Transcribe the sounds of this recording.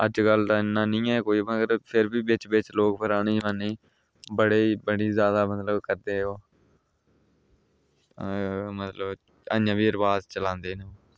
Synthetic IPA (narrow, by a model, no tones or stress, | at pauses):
əd͡ʒɡəld̪aːɪnːãːnĩːɛːkoːiːməɡəɾpʰɪɾbiːbɪt͡ʃbɪt͡ʃloːkpʰəɾaːɽ̃iːd͡ʒʋaːniː | bəɽeːbəɽiːzjaːd̪aːmət̪ləbkəɾd̪eːoː | mət̪ləb | ə̰njãːbiːəɾbaːzt͡ʃəlãːnd̪eːneoː